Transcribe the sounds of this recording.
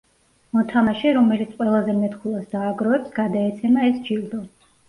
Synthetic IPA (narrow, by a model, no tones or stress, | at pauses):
mɔt̪ʰamaʃɛɾɔmɛlit̪sʰqʼwɛlˠazɛmɛt̪kʰulˠasd̪aːɡɾɔɛpsɡ̥ad̪aɛt̪sʰɛmaɛsd͡ʒild̪ɔ